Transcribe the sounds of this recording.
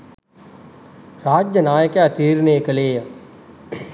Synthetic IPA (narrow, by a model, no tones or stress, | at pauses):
ɾaːd͡ʒjɐnaːjəkjaːt̪iːɾneːkɐleːjɐ